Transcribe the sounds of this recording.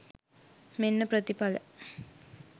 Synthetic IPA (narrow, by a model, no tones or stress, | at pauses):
menːəpɾət̪ipalə̰